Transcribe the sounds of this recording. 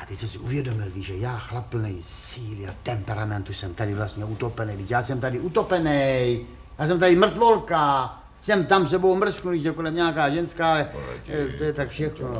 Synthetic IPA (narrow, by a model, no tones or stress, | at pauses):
at̪ɛcsɛmsɪuvjɛdo̞mɪlviːʒɛjaːxlapl̩nɛjsiːlɪat̪ɛmpɛɾamɛnt̪usɛmt̪adɪvlast̪ɲɛut̪opɛnɛjdɪcjaːsɛmt̪adɪut̪opɛnɛj | jaːs̬ɛmt̪adimr̩t̪vo̞lka | sɛmt̪ams̬ɛbomr̩sknuɪʒɛkolɛmɲaːkaːʒɛnskaːalɛ̰t̪ojɛt̪akfʃɛxno